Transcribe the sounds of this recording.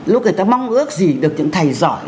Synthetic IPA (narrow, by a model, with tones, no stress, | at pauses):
lʊ˦˥nə˨˩jt̪aː˧ma˧wŋ͡mʔɨ˦˥ək̚zi˨˩ɗɨ˨˩ək̚ɲɨ̰˧˥ŋt̪ʰa˨˩jzɔ̰˧˩j